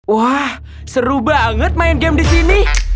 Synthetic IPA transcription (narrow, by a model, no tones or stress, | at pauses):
wah | səɾubaŋət̪̚maɪnɡɛmdisini